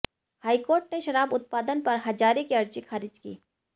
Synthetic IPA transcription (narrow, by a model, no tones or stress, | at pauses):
haːikoːɾʈneʃɐɾaːbʊt̪̚paːd̪ənpɐɾɦɐd͡ʒaːɾekeɐɾd͡ʒixʰaːɾɪd͡ʒkḭː